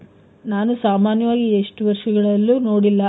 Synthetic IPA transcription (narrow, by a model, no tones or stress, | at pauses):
naːnusaːmaːnjɐʋaːɡieʂʈuʋɐɾʂɐɡɐɭɐlːuno̞ːɽilːɐ